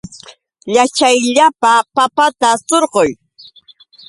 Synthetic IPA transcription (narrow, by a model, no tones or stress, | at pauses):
ʎat͡ʃajʎapapapat̪asoɾɢoj